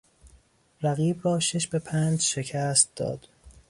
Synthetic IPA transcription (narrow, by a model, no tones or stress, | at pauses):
ɾæɣiːbrɒːʃe̞ʃbe̞pʰæːnd͡ʒʃe̞cʰæːst̪̚d̪̥ɒ̰ːd̪̥